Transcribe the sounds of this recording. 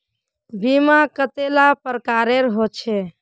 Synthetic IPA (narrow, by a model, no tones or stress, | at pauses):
bimakət̪elapəɾkaɾeɾɦot͡ʃʰɛ